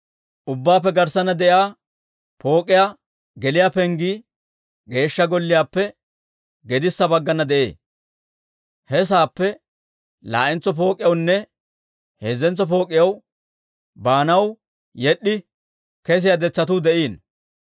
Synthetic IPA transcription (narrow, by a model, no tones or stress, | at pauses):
ʔʊbːaːpːɛɡɐɾsɐnɐd̪ɛʔjaː | po̞ːkʼːɪjaː | ɡɛlɪjaːpɛŋɡiː | ɡe̞ːʃːɐɡɔlːɪjaːpːɛ | ɡɛd̪ɪsːɐbɐɡːɐnɐd̪ɛʔe̞̰ː | hɛs̬aːpːɛ | la̰ːʔɪnt͡sɔp̬o̞ːkʼɪjɐwnːɛ | heːzːɛnt͡sɔpo̞ːkʼːɪjɐw | baːnɐw | jɛɗːɪ | kɛs̬ɪjad̪ɛt͡sːɐt̪̬ud̪ɛʔiːn